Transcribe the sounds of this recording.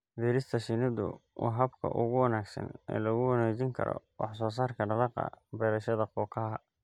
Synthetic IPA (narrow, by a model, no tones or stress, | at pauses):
fiːɾɪst̪ʰɐʃɪnɪd̪ʊ̰wʔɑ̰ɦɐbkʰɐ̰ʔʊɣʊwɑnaːɡsɐ̰nɛ̰ːlɐɣʊwɑnɛːt͡ʃɪŋkʰɐ̰ɾɔ̰wɑħs̬ɔːs̬aːrkʰɐɖɐðɑqɑ̰bɛɾɐʃɐðɐqɔːkʰɐɦɐ